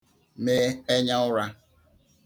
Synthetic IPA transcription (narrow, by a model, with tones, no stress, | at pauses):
me˦e˦ɲa˦ʊ˦ɾa˦